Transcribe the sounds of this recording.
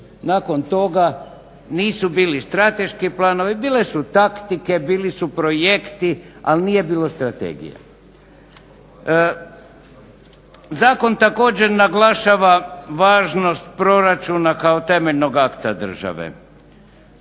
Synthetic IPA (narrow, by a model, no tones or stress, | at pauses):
naːkont̪o̞ɡa | niːsubiːlist̪ɾat̪e̞ʃkiplˠaːno̞ʋibiːle̞sut̪akt̪ike̞biːlisupɾo̞je̞kt̪ia̰lniːje̞biːlˠo̞st̪ɾat̪ḛːɡḭja̰ | zaːko̞nt̪ako̞ːd͡ʑeɾnaɡlaʃaʋaʋaːʒno̞st̪pɾo̞ɾat͡ʃunakaot̪e̞meʎno̞ɡakt̪ad̪r̩ʒa̰ʋḛ